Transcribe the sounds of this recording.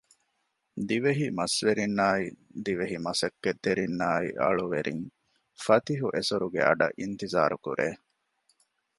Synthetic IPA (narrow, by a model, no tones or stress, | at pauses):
d̪iʋeɦimɐsʋeɾinːaːid̪iʋeɦimɐsɐkːed̪ːeɾinːaːḭʔɐ̰ɭuʋeɾḭŋ | fɐt̪iɦuʔesuɾuɡḛɐ̰ɖɐ̰ʔint̪iza̰ːɾukṵɾʔḛː